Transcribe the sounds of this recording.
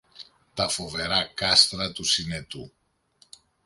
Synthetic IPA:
t̪ɐfo̞ve̞ɾɐkɐst̪ɾɐt̪usine̞t̪ṵ

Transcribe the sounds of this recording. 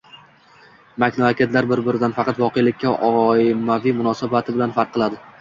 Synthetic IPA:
makʲnɒakʲet̪laɾbɪɾbɪɾɪd̪anfɑqɑt̪vɒqʰejlɪkʲʰːaʔɒɪmavimʊnɒsabat̪ʰɪbɪlanfɑɾqʰːɨlˠad̪ɪ

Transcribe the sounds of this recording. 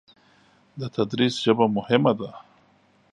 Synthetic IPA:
d̪ət̪ad̪ɾisʒəbamʊhɪmad̪a

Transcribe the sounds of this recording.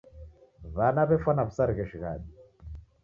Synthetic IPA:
βanaβɛfanaβusaɾiɣɛʃiɣa̰ɗi

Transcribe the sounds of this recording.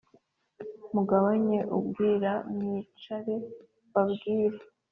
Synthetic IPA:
muɡaβaɲe̞ʔubɡiːɾamiːt͡ʃaɾe | βabɡiːɾe

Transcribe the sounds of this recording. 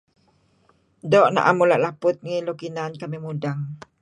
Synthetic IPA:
dɔʔna̰ʔamulaʔlapʊt̪̚ŋilokinankamimudaŋ

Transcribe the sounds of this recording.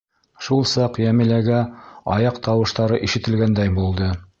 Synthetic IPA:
ʃulˠsɑqjæmilæɡæɑjɑqt̪ɑwɤ̆ʃt̪ɑɾɤʔiʃɘ̆t̪ɘ̆lɡænd̪æjbulˠd̪ɤ

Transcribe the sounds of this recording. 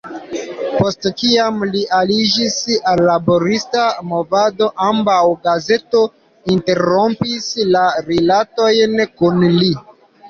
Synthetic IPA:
po̞stkiamliʔalid͡ʒisalːabo̞ɾistamo̞vado̞ʔambawɡaze̞to̞ | inte̞ɾo̞mpislaɾelato̞jnkunli

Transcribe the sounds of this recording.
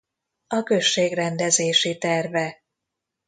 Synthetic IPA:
ɒkø̞ʃːeːɡrɛnd̪ɛzeːʃit̪ɛrvɛ

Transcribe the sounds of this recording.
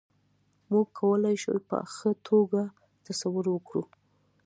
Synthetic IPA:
muɡ̚kʰːawəlajʃṵjpə̰a̰xat̪ʰoɡa | t̪asawʊɾwəkɽu

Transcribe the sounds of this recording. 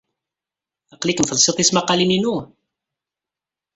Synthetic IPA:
ɑqliknfəlsˤit̪ˤismaqɑlininu

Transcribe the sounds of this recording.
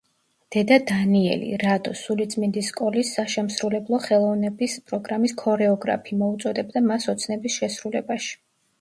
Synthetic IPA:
d̪̥ɛd̪ad̪aniɛ̰lḭɾad̪ɔsulit̪sʼmind̪iskʼɔlisːaʃɛmsɾulɛblˠɔχɛlˠɔvnɛbispʼɾɔɡɾamiskʰɔɾɛɔɡɾa̰pʰiːmɔut̪sʼɔd̪ɛb̚d̪amasɔt̪sʰnɛbisʃɛsɾulɛbaʃi̥

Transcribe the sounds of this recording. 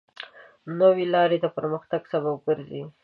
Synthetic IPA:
nowelɑɾed̪apəɾməxt̪aɡsabab̚ɡəɾzi

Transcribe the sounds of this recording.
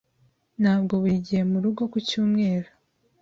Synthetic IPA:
n̥haːbɡo̞βiɟije̞muɾuɡo̞kucuːmŋe̞ːɾo

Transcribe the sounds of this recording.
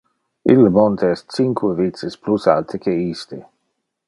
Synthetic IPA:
ḭlːemont̪ʰeɛstt͡siŋkʰwevitt͡s̪isplusa̰lt̪ʰekʰeist̪e

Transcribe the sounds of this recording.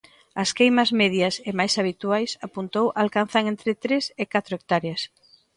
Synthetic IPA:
ɐskejmɐzmeðjɐsɪmajsaβit̪uajsapunt̪owʔalkan̟θaŋẽnt̪ɾɪt̪ɾesɪkat̪ɾʊoek̚t̪aɾjas

